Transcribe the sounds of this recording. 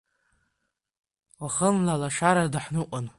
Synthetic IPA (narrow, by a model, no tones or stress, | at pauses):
waχənlalaʃaɾadaħnɨqʔʷʼan